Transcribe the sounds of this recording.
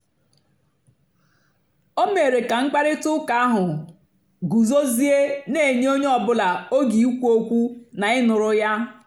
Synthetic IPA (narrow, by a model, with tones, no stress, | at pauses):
o˦me˨ɾe˨ka˨ŋ͡m̩˦k͡pa˦ɾɪ˦tʊ˦ka˨a˦ɦʊ˨ | ɡu˨zo˦zi˦e˦ne˦˨ɲe˦o˦ɲe˦ɔ˨bʊ˦la˨o˦ɡi˨u˦kʷu˦o˦kʷu˦na˨ɪ˦nʊ˨ɾʊ˦ja˦